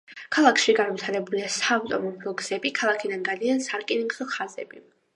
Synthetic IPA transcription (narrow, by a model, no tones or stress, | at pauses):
kʰalˠakʰʃiɡanvit̪ʰaɾɛbuliasaːvt̪ʼɔmɔbɾɔɡz̥ɛbikʰalˠakʰid̪anɡad̪iansaɾkʼiniŋɡzɔχazɛ̰bi